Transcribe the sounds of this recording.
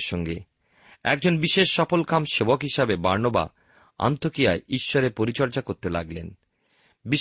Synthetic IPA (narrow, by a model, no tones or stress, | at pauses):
ʃɔŋɡe | ɛ̰k̚d͡ʑonbiʃeʃːɔfolkamʃebokɦiʃabebaɾnoba̰ | a̰nt̪okijaeiʃːoɾepoɾit͡ɕɔɾd͡ʑakoɾt̪ela̰ɡlen | bi